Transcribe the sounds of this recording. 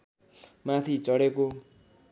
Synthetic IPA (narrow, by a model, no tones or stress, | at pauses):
mãt̪ʰit͡sʌɽeko